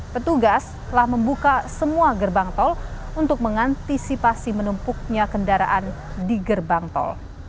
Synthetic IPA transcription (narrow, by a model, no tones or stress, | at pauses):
pət̪uɡast̪əlahməmbukasəmuaɡərbaŋt̪ɔl | unt̪ʊk̚məŋant̪isipasimənumpʊk̚ɲakəndaɾa̰ʔan | diɡərbaŋt̪ɔ̰l